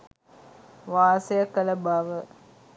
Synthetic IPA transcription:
ʋaːsejəkːələbaʋə

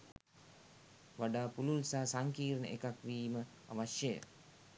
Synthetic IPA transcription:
ʋaɖaːpululsaːsaŋkiːɾənə̰ʔekakʋiːmə | a̰ʋaʃjəjə̰

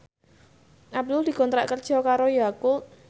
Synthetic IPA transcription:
ʔab̚d̪ʊld̪̥i̤kɔnt̪ɾa̰ʔkərd̥ʒ̥ɔ̤kaɾojaku

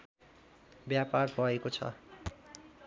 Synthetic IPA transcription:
bjaparbʱʌekot͡sʰʌ̰

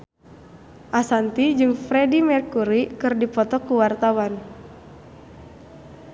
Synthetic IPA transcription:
ʔasant̪id͡ʒɨŋfɾɛdimɛrkuɾikɨrdipɔt̪ɔkuwart̪awan

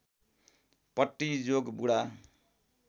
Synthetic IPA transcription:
pʌʈːid͡zoɡbuɽa

